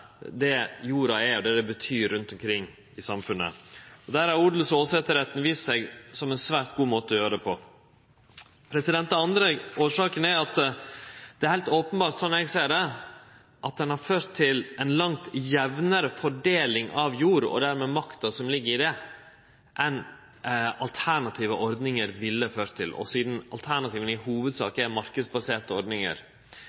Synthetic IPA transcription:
d̪ɛjuːɾɑɛɔd̪ɛd̪ɛbət̪ʰyːɾːʉnt̪ɔmkʰɾɪŋː | ɪsɑmfʉnːə̰ɔd̪æːɾæɾuːɖ̪l̩soːsɛt̪əɾhɛt̪nʋiːssɛɡsɔmɛnsʋæːɾʈ̪̚ɡuːmoːt̪əɔjøːɾəd̪ɛpʰɔ | pʰɾɛsɪd̪ɛnt̪ɑnd̪ɾeɡoːʂɑːkənæɑt̪ | d̪̥ɛæɾhæɪlt̪oːpənbɑːɾʈ̪sɔnːɛɡsæːɖɛ | ʔɑt̪̚d̪ɛnhɑɾføːɾt̪ʰːɪlʔɛnlɑŋt̪jɛʋnəɾəfɔɖeːlɪŋʔɑʋjuːɾɔ̰d̪æɾmɛːmɑkt̪ɑsɔmlɪɡːəɾɪd̪ɛ | ʔɛn | ɑlt̪ʰæɳɑt̪ʰiːʋəʔɔɾd̪nɪŋəɾʋɪlːəføːɾt̪ʰːɪ̰lʔɔ̰siːd̪n̩ɑlt̪ʰæɳɑt̪ʰiːʋənɪhuːʋəd̪sɑ̰ːkəɛmɑɾkəd̪sbɑseːɾt̪əɔɾd̪nɪŋə̰ɾ

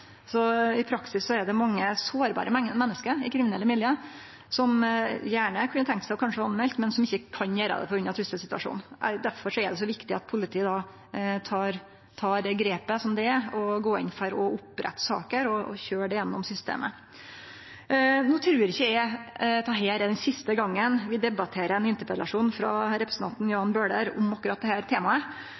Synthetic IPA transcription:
sɔɪpʰɾɑksɪssɔɛɖɛmɑŋːəsoːɾbɑ̰ːɾʔəmɛnːəskəɾɪkʰɾɪmɪnɛlːəmɪljə | sɔmjæːɳəkʰʉnːət̪ʰɛŋkt̪sæɪɔkʰɑnʂəɑnmɛlt̪mɛnsɔmɪçːəkʰɑnjøːɾɑ̰d̪ɛ̰fɔɾʉnːɑt̪ʰɾʉst̪əsɪt̪ʉɑ̰ʂṵːnd̪æɾfɔʂɔɛɖɛs̬ɔʋɪkt̪ɪɑt̪̚pʰʊlɪt̪ʰiːəd̪ɑː | t̪ʰɑːɾ | t̪ʰɑːɾɛɡɾeːpəsɔmd̪ɛɛɔɡoːɪ̰nfɔɾɔʊpɾɛ̰t̪ːsɑ̰ːkəɾɔɔ̰çøːɖɛjɛnːɔmsʏst̪ḛːmə | nuːt̪ʰɾʉːɾɪçːəæt̪ʰɑːɦeːɾɛd̪ɛnsɪst̪əɡɑŋːənʋɪd̪ɛbɑt̪ʰeːɾəɛnɪnt̪əpɾɛd̪lɑʂuːnfɾɑ̰ɾɛpɾəsn̩t̪ʰɑnt̪n̩jɑːɑnbøːɖəɾʊ̰mɑkʉɾɑt̪̚d̪ɛhæːɾt̪ʰeːmɑə

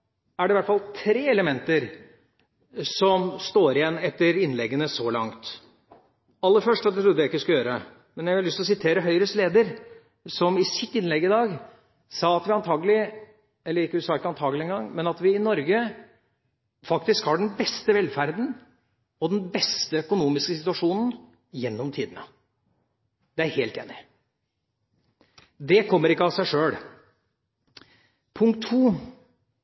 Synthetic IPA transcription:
æɖɛʋæʈfɑlt̪ʰɾeːɛləmɛnt̪əɾ | sɔmst̪oːɾɪjɛnːɛt̪ːəɾɪnlɛɡːənəsɔlɑ̰ŋt̪ | ɑlːəfœʂʈɑt̪d̪ɛt̪ʰɾʊd̪əjæɪkːɪskʉləjøːɾə | mɛnjæɑɾlʏst̪ɔsɪt̪ʰeːɾəɦœʏɾəsleːd̪əɾ | sɔmɪsɪt̪ːɪnlɛɡːɪd̪ɑːɡ | sɑːɑt̪ʋɪɑnt̪ʰɑːɡəlɪ | ɛlːəɾɪkːəd̪ʉsɑːɪkːəɑnt̪ʰɑːɡəlɪɛnɡɑŋːmɛnɑt̪ʋɪɪnɔɾɡə | fɑk̚t̪ɪskhɑɖɛnbɛst̪əʋɛlfæɾd̪n̩ | ɔd̪ɛnbɛst̪əœkʊnuːmɪskəsɪt̪ʉɑʂuːnn̩ | jɛnːɔmt̪ʰiːd̪ənə̰ | d̪̥ɛæɾheːlt̪ḛːnɪ | d̪ɛkʰɔmːəɾɪkːəɑsæɪʂøːɽ | pʰʊŋkt̪ʰːuː

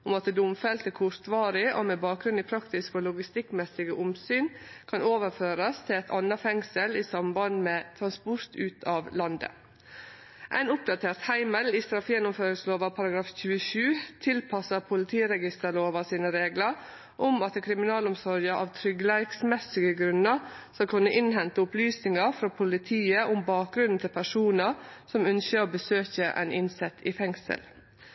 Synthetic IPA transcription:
ʊmɑt̪d̪ʊmfɛlt̪ɛkʰʊɾt̪ʋɑːɾɪʔo̰ːmɛbɑːk̚ɡɾʉniːpʰɾɑkt̪ɪskoːlʊɡɪst̪ɪkmɛsɪɡəʔʊmsyːnkʰɑnoːʋəɾføːɾɑst̪ʰɪlɛt̪ʰɑnːɑfɛŋsəliːsɑmbɑnd̪meːt̪ʰɾɑnspʊɾt̪ʉːt̪ʰɑːʋlɑnd̪ə̰ | ʔæ̰ɪnʊp̚d̪ɑt̪ʰeːɾt̪hæɪməlist̪ɾɑfjɛnːʊmføːɾɪsloːʋɑpʰɑɾɑɡɾɑːfçʉːəʃʉːt̪ʰɪlpʰɑsəpʰʊlɪt̪ʰiːəɾɛɡɪst̪əɭoːʋɑsiːnəɾeːɡləɾ | ʔʊmɑt̪əkʰɾɪmɪnɑːlɔmsɔɾjəʔɑːʋt̪ʰɾʏɡlæɪksmɛsɪɡəɡɾʉnəɾsɔkʰʉnːəʔɪnɦɛnt̪əʊplyːsnɪŋɑɾfɾɑːpʰʊlɪt̪ʰiːəʔʊmbɑːk̚ɡɾʉnn̩t̪ʰɪlpʰæʂuːnəsɔmœnʃəoːbəsøːçəʔæ̰ɪnʔɪnsɛt̪ʰːifɛŋsə̰l

